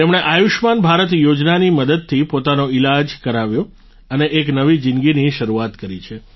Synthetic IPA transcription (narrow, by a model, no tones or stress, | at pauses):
t̪emɽ̃eʔajuʃmanbʱaɾət̪̬jod͡ʒnaniməd̪əd̪̚t̪ʰipot̪anoilad͡ʒkəɾaʋjõ | əneʔek̬nəʋid͡ʒɪnɡiniʃəɾuat̪kəɾḭt͡ʃʰe